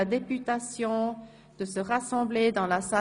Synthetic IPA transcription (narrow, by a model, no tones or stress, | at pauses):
ad̪epyt̪asjɔ̃ | d̪̥əsəʁasɑ̃bled̪ɑ̃lasa